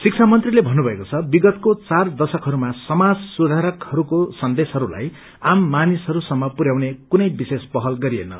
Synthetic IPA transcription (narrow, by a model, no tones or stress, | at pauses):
sik̚t͡sʰamʌnt̪rilebʱʌnːubʱʌekot͡sʰʌbiɡʌt̪kott͡sard̪ʌsʌkɦʌɾumasʌmad͡zsud̪ʱaɾʌkhʌɾukosʌnd̪esɦʌɾula̰j | amːanisɦʌɾusʌmːʌpuɾjawnekunʌjbisespʌɦʌlɡʌɾiḛnʌ̰